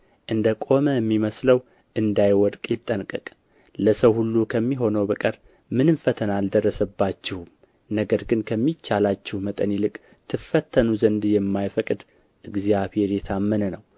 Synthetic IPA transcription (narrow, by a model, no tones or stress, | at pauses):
ʔɨnd̪əkʼo̞məjɛmːiməsləw | ʔɨnd̪ajwɔd̪kʼjɪt̪ʼːənkʼɨkʼ | ləsəwhulːukʰəmːiɦo̞nəwbəkʼəɾ | mɨnɨnfət̪ʰənald̪ərːəsəbːat͡ʃːɪhum | nəɡəɾɡɨnkʰəmːit͡ʃːalat͡ʃːɪhmət̪ʼənilɨkʼ | t̪ʰɨfːət̪ʰːənuzənd̪jɛmːajfəkʼɨd̪ | ʔɨɡzjaβhe̞ɾjɛt̪ʰamːənənəw